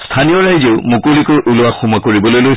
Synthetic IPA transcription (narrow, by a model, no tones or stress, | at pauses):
stʰanijɔɹajzeʊmukolikɔɹʔulʊwaxumakoɹibɔlojloj